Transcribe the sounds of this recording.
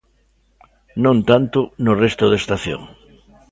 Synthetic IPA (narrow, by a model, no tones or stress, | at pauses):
nõnt̪ant̪ʊnʊrest̪ʊðest̪aθjõ̰ŋ